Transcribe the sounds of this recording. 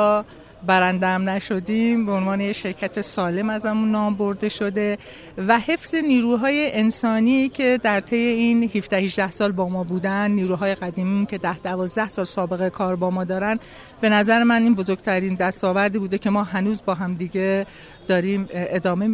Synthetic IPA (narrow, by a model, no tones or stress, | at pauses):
ɒː | bæɾænd̪eæmnæʃo̞d̪iːmbeonvɒːnejeʃe̞ɾcʰæt̪ʰe̞sɒːle̞mæzæmunːɒːmbo̞ɾd̪e̞ʃo̞d̪e̞ | væhe̞fz̥e̞niːɾuːɦɒːje̞ʔensɒːniːcʰe̞d̪æɾt̪ʰe̞je̞iːnhifd̪æhiʒd̪æhsɒːlbɒːmɒːbuːd̪ænːiːɾuːɦɒːje̞ɣæd̪iːmincʰe̞d̪æhd̪̥ævɒːzd̪æhsɒːlsɒːbe̞ɣekʰɒːɾbɒːmɒːd̪ɒːɾæn | b̥e̞næzæɾemæniːnbozoɾɡ̥t̪ʰæɾiːnd̪æst̪ɒːvæɾd̪iːbuːd̪ecʰe̞mɒːɦænuːzbɒːɦæmd̪iːɟe̞ | d̪̥ɒːɾiːme̞d̪ɒːme